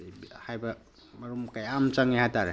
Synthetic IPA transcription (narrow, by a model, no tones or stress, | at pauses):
bhajbɐ | mɐɾumkajamt͡ʃaŋiɦataɾe